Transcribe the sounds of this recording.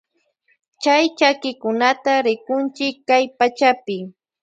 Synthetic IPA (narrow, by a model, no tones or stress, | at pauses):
t͡ʃajt͡ʃakɪkʊnat̪aɾɪkʊnt͡ʃɪkːajpat͡ʃapɪ